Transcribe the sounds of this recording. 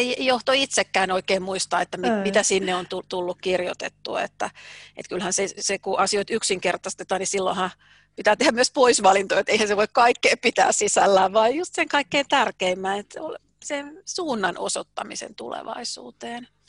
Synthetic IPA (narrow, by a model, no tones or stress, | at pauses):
eiejjoht̪oit̪sekːæːnoikeːmmuist̪ɑːet̪ːæmimit̪æsinːeont̪ut̪ulːukkirjo̰t̪ḛt̪ːṵḛt̪ːæ̰ḛt̪kylhænsesekuʔɑsioit̪yksiŋkert̪ɑst̪et̪ɑːnisilːo̰hɑ | pit̪æːt̪ehæmyøspoisʋɑlint̪ojot̪eihænseʋoikkɑikːeːppit̪æ̰ːssisælːæːʋʋɑijjust̪seŋkɑikːeːnt̪ærkeimːæːnet̪sol | sensuːnːɑno̰so̰t̪ːɑmisḛnt̪ṵlḛʋɑ̰isṵːt̪eːn